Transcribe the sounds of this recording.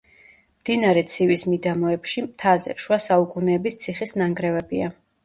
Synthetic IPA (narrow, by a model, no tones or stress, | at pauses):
md̪̥inaɾɛt̪sʰivismid̪amɔɛpʃimt̪ʰazɛ̰ʃuasaukʼunɛːbist̪sʰiχisnaŋɡɾɛvɛbia